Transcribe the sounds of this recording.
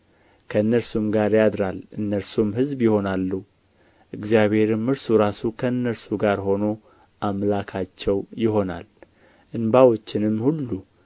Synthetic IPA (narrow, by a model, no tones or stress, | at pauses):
kʰəɨnːəɾsumɡaɾjad̪ɾalʔɨnːəɾsumɦɨzbjɪho̞nalːu | ʔɨɡzjaβhe̞ɾɨmːɨɾsuɾasukʰənːəɾsuɡaɾho̞no̞ | ʔamlakʰat͡ʃːɛwjɪɦo̞na̰l | ʔɨnbawot͡ʃːɪnɨmːhulːu